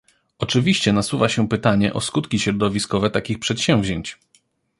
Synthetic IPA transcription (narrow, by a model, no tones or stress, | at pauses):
ʔɔt͡ʂɘvʲiɕt͡ɕɛnaswuvaɕɛpɘt̪aɲɛ̰ʔɔskut̪kʲiɕɾɔd̪ɔvʲiskɔvɛt̪akʲixpʂɛt̪ɕɛ̃w̃vʑeɲt͡ɕ